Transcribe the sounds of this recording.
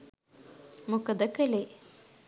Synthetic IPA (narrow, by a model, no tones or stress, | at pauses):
mukəd̪əkəle